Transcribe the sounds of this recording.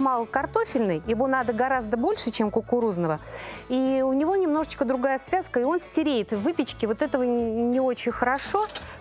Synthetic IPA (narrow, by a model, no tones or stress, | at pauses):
mɑlˠəkɐrt̪o̞fʲɪlʲnɨjjɪvo̞nad̪əɡɐɾazd̪əbo̞lʲʂɨt͡ɕemkʊkʊɾuznəvəiʊnʲɪvo̞nʲɪmn̪o̞ʐət͡ɕkəd̪ɾʊɡajəsvʲaskəɪo̞nsʲɪɾʲejɪt̪vɨpʲɪt͡ɕkʲɪvo̞t̪ɛt̪əvənʲɪo̞t͡ɕɪnʲxəɾɐʂo̞